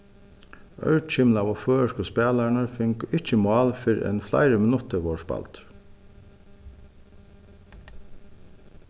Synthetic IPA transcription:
œ̰ʏc͡çɪmlɑːʋoːføːʃkɔspeːlɑɳəɾfɪŋkɪc͡çəmɑːlfʏɾḛːnflæ̰ɪɾəmɪnʉt̪əʋoːʃbɑ̰lt̪

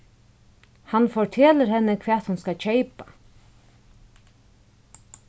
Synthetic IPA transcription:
hɑnfɔʈʰɛːləɾhɛnːəkʰʋɛːt̪hʊnskɑc͡çœɪpa

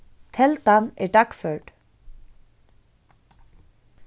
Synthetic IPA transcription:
t̪ʰɛlt̪anɛɾd̪akfœɹt

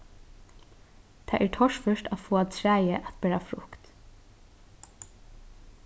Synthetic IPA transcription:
t̪ʰɑːʔæːɹʈʰɔʃfœʃʈafoːɑt̪ʰɾæːjəʔæt̪beːɹafɾʊ̰kt̪

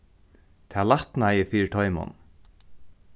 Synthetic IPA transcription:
t̪ʰaːlaht̪najəfiːɪt̪ʰɔʏmʊ̰n

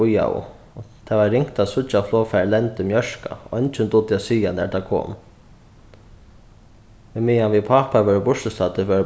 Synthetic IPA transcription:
ʊja̰ʊ̰ | t̪ʰaʋaːɪŋkt̪asʊt͡ʃaflɔːfɛɹlɛnt̪ɪmjœʂka̰ʔɔnt͡ʃɪnt̪ʊt̪ːɪjasiːjanɛ̰ɹt̪ʰaːkʰɔ̰ːm | mɪmiːjanʋipʰapaʋœɹbʊʂtɪst̪at̪ɪʋœːɾ

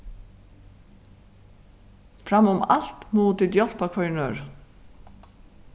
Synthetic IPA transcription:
fɾɑmʊmɑ̰l̥t̪muːt̪ɪd̪jɔlpakʰʋɑɳøːɹ

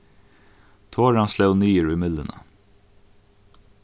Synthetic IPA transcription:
t̪ʰoːɹɑnslœʉnyːəɹʉːmɪd̪lənə̰

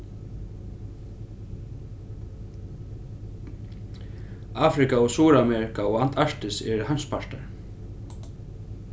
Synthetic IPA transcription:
aːfɾɪkaɔsuːɾamɛɾɪkaɔɣan̥t̪ʰaɹ̥t̪ɪsɛ̰ɾɪɦajmspʰaɹt̪a̰ɾ

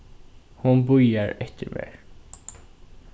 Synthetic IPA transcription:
hʊnbʉjəɾɛt̪ʰəɾmḛːɹ

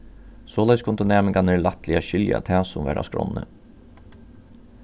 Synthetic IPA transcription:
soːlɛskʰʊnt̪ʊneːmənkʰɑneɭɑt̪lɪɑɕʏljɑ̰t̪ʰæːsʊmʋæ̰ːɾʔa̰skɾɔ̰nːə̰

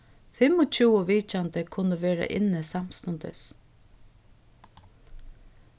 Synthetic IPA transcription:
fɪmɔt͡ʃʰuːɔʋiːt͡ʃant̪əkʰʊnəʋeːɾa̰ʔɪ̰nːəsam̥st̪ʊnt̪ə̰s

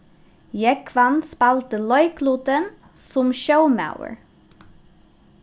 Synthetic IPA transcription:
jɛkʰʋɑnspɑlt̪əlɔʏkʰluːd̪ən | sʊmʃəʊmɑ̰ʊə̰ɹ

